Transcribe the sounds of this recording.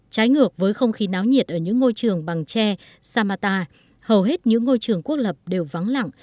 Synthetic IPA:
t͡ɕaː˨˦jŋɨ˨˩ək̚vəː˨˦jxə˧wŋ͡mxi˨˦naː˨˦wɲi˨˩ət̚ʔəː˧˩ɲɨ̰˧˥ŋːo˧jt͡ɕɨ˨˩əŋɓa˨˩ŋt͡ɕɛ˧ | saː˧maː˧t̪aː˧ | hə˨˩wɦe˦˥t̚ɲɨ̰˧˥ŋːo˧jt͡ɕɨ˨˩əŋku˦˥ək̚lə˨˩p̚ɗe˨˩wva˨˦ŋla̰˧˨ŋ

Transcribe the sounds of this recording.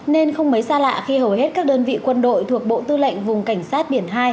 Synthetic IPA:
ne˧nxə˧wŋ͡mmə˨˦jsaː˧la̰ː˧˨xi˧hə˨˩whe˦˥t̚kaː˦˥k̚ɗəː˧nvḭ˧˨kwə˧nɗo̰˧˨jt̪ʰu˨˩ək̚ɓo̰˧˨t̪ɨ˧lə̰˧˨jŋ̟vʊ˨˩ŋ͡mka˧˩jŋ̟saː˦˥t̚ɓi˧˩ənɦaː˧j

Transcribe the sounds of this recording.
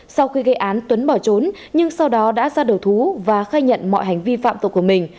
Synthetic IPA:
sa˧wxi˧ɣə˧jʔaː˨˦nt̪wə˨˦nɓɔ˧˩t͡ɕo˨˦n | ɲɨ˧ŋsa˧wɗɔ˨˦ɗa̰ː˧˥zaː˧ɗə˨˩wt̪ʰu˨˦vaː˨˩xaː˧jɲə̰˧˨nmɔ̰˧˨jɦa˨˩jŋ̟vi˧fa̰ː˧˨mt̪ə˨˩k͡p̚ku˧˩əmï˨˩ŋ̟

